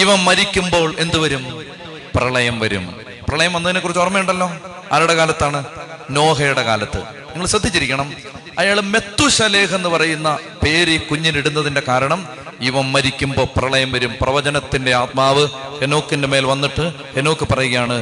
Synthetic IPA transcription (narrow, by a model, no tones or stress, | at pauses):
iʋɐmːɐɾikʲːumbo̞ːɭe̞nd̪uʋɐɾum | prɐɭɐjɐmʋɐɾṵm | prɐɭɐjɐmʋɐnːɐðinekurit͡ɕːorɐmejuɳɖɐlːo̞ː | aːɾuɽekaːlɐt̪ːaːɳɨno̞ːɦɐjuɽe̞kaːlɐt̪ːɨ̰ | ɲiŋːɐɭsɐd̪ʱːit͡ɕːiɾikʲːɐɳɐm | ɐjaːɭme̞t̪ːuɕɐle̞ːɦe̞nːɨpɐrɐjunːɐ | pe̞ːɾikuɲːiliɽunːɐðinde̞kaːɾɐɳɐm | iʋɐmːɐɾikʲːumbo̞ːprɐɭɐjɐmʋɐɾumprɐʋɐd͡ʑɐnɐt̪ːinde̞aːt̪̚maːʋɨeno̞ːkːindeme̞ːlʋɐnːiʈːɨ | eno̞ːkːɨpɐrɐjuɣɐjaːɳɨ